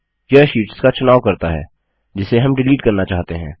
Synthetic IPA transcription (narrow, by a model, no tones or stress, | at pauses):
jɐʃiːʈskat͡ʃʊnaːʋwkɐɾt̪aɦɛ̰ː | d͡ʒɪseɦɐmɖɪliːʈkɐɾnat͡ʃaːɦt̪eɦɛ̃ː